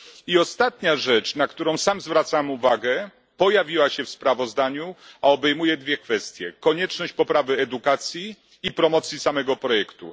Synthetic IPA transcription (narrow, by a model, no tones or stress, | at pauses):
iɔst̪at̪ɲaʐɛt͡ʂnakt̪uɾɔ̃w̃samzvɾat̪sawɛmuvaɡɛ | pɔjavʲiwaɕɛfspɾavɔzd̪aɲuaɔbɛjmujɛd̪vʲjɛkfɛst̪ʲjɛkɔɲɛt͡ʂnɔɕt͡ɕpɔpɾavɘɛd̪ukat̪sʲjiː | pɾɔmɔt̪sʲjisamɛɡɔpɾɔjɛkt̪ṵ